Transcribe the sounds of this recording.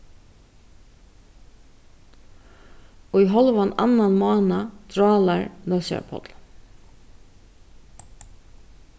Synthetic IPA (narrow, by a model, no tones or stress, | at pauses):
ɔiɦɔlʋana̰nanmɔːnad̪ɾɑːlaɹnœsa̰ɾpʰɔ̰t̪l